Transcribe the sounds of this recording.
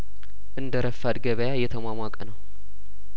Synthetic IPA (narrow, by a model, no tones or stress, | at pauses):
ʔɨnd̪əɾəfːad̪ɡəβəjajɛt̪ʰəmʷamʷakʼənəw